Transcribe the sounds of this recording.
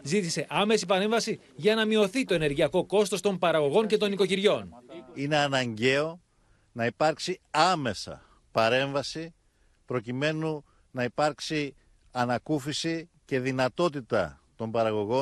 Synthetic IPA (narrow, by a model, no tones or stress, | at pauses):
zit̪ise̞ʔɐme̞sipɐɾe̞ɱvɐsi | ʝɐnɐmio̞θit̪o̞e̞ne̞ɾʝiɐko̞ko̞st̪o̞st̪o̞mpɐɾɐɣo̞ɣo̞ɲce̞t̪o̞niko̞ciɾʝo̞nine̞ɐnɐɲɟe̞o̞ | nɐipɐɾksiɐme̞sɐ̰ | pɐɾe̞ɱvɐsi | pɾo̞cime̞nu | nɐipɐɾksi | ɐnɐkufisi | ce̞ðinɐt̪o̞t̪it̪ɐ̰t̪o̞mbɐɾɐɣo̞ɣo